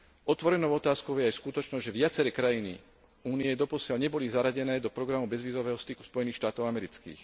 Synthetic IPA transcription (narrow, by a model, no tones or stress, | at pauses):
ɔt̪ʋɔɾɛnɔʊɔt̪aːskɔʊjɛajskut̪ɔt͡ʃnɔzɟʒɛʋɪat͡sɛɾɛːkɾajinḭ | uːniɛd̪ɔpɔsɪalɲɛbɔlizaɾaɟɛnɛːd̪ɔpɾɔɡɾamubɛzʋiːzɔʋɛːɦɔst̪iku̥spɔjɛniːxʃt̪aːt̪ɔʊamɛɾit͡skḭːx